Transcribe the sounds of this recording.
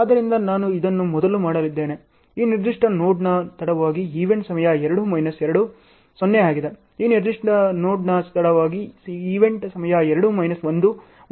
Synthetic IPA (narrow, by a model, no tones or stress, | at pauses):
aːd̪ɐɾind̪ɐnaːnuid̪ɐnːumɔd̪ɐlumaːɽɐlid̪ːe̞ːne | iːniɾd̪iʂʈɐnoːɖnɐt̪ɐɽɐʋaːɡiiːʋeɳʈsɐmɐjɐɛɾɐɽumɐjnɐsɛɾɐɽu | sɔnːeaːɡid̪e | iːniɾd̪iʂʈɐnoːɖnɐst̪ɐɽɐʋaːɡiiːʋe̞ɳʈsɐmɐjɐɛɾɐɽumɐjnɐsʋond̪u